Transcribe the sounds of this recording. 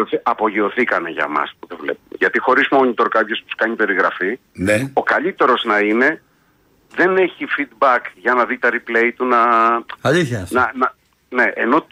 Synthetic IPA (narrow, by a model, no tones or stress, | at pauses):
osiɐpo̞ʝio̞θikɐneʝɐ̰mɐ̰spuðevlḛpumʝɐt̪ixo̞ɾizmo̞ɲit̪o̞ɾkɐpço̞spu̥u̥skɐɲipe̞ɾiɣɾɐfi | neo̞kɐʎit̪e̞ɾo̞znɐine̞ | ðe̞ne̞çifid̪bɐkʝɐnɐðit̪ɐɾiple̞it̪unɐɐʎiçɐsnɐnɐ | ne̞ʔeno̞